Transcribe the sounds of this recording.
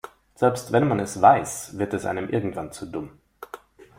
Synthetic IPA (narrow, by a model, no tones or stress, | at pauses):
z̥ɛlpstvɛnmanɛsvaɪsv̥ɪɐtɛsʔa̰ɪnəmʔɪ̰ɐɡŋ̩tv̥ant͡sudʊm